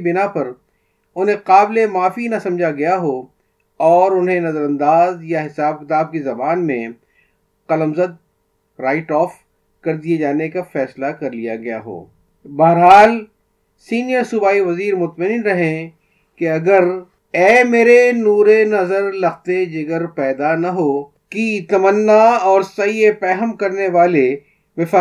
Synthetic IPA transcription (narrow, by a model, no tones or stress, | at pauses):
bɪnapɐɾ | ʊnɦẽqaːblemaːfinɐsɐ̃md͡ʒʱaɡɐjaɦo | ɔːɾʊnɦẽnɐzəɾɐ̃nd̪aːzjaɦɪsaːb̚kɪt̪aːb̚kezɐbaːnmẽ | qɐləmzɐd̪̚ | ɾaːɪʈɔːf | kɐɾd̪ied͡ʒaːnekafɛːslakɐɾlijaɡɐja̰ɦo̰ː | bɐɦəɾɦaːl | siːnijəɾsʊbaːiʋɐziːɾmʊt̪mɐninɾɐɦẽ | keɐɡəɾ | ɛːmeːɾenuːɾenɐzəɾlɐxt̪ed͡ʒɪɡəɾpɛːd̪anɐɦoː | kit̪ɐmənːaɔːɾsɐiepɛːɦəmkɐɾneʋaːle | ʋɪfa